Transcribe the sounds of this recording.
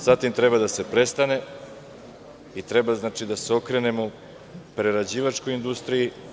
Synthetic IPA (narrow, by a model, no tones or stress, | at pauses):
z̥at̪imt̪ɾe̞bad̪ase̞pɾe̞st̪ane̞ | it̪ɾe̞baznaːt͡ʃid̪aseo̞kɾe̞ne̞mo̞ | pɾeɾad͡ʑiːʋat͡ʃko̞jind̪ust̪ɾiji